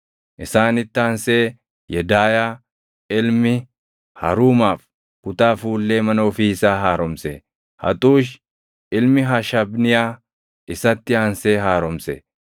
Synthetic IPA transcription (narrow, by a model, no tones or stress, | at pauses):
ʔɪsaːnɪt̪ːɪaːnse̞ː | jɛd̪aːjaː | ɪlmɪ | hɐ̰ɾuːmaːf | kʊt̪ʼaːfuːlːeːmɐnoːfiːɪsaːɦaːɾɔmsɛ | hɐ̰t̪ʼuːʃ | ʔɪlmɪɦɐʃɐbnɪjaː | ʔɪsɐt̪ːɪaːnseːɦaːɾɔmsɛ̰